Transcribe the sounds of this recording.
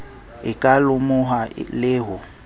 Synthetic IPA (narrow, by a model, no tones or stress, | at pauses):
ɪkʼalʊmʊɦalɪːɦʊ